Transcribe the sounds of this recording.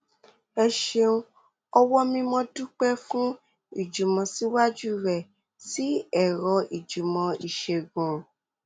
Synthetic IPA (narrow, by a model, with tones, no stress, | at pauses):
ɛ˧ʃe˧ũ˦ | ɔ˧wɔ˦mĩ˧mɔ̃˧du˦k͡pɛ˦fũ˦ | i˦˨d͡ʒu˨mɔ̃˧si˨˦wa˦d͡ʒu˦ɾɛ˨ | si˨˦ɛ˨ɾɔ˧i˨d͡ʒu˨mɔ̃˧i˨ʃe˧ɡũ˨